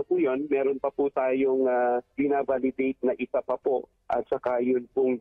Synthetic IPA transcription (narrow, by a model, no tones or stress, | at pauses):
ɐpuːjo̞nmɛːɾonpɐput̪aːjoŋaɡɪnaːbalɪd̪ejt̪̚nɐʔɪsapɐpo | ʔɐ̰t̪̚t͡ʃɐkajʊnpʊŋ